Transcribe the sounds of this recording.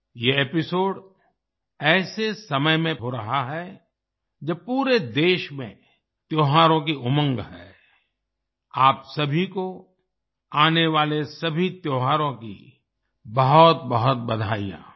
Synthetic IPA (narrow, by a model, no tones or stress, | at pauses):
jeepɪsoːɖ | ɛːsesɐməjmẽɦoɾɐɦaɦɛ | d͡ʒɐpuːɾed̪eːʃmḛ̃ | t̪joːɦaːɾõk̬iʊmə̃ŋɡɦɛ̰ː | aːpsɐbʱiko | aːneʋaːlesɐbʱit̪joːɦaːɾõkḭ | bɐɦʊt̪̚bɐɦʊt̪̚bɐd̪ʱa̰ːḭjã̰ː